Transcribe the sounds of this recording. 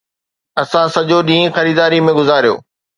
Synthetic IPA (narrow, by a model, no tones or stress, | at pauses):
ɐsãsɐʄoɗĩːɪ̃xɐɾiːd̪aːɾimẽɡʊzaːɾijo̰ː